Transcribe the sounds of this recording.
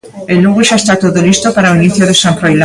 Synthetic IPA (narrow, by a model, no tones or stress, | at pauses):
eluɣuʃaest̪at̪oðolist̪opaɾaoiniθjoðesãmfɾojla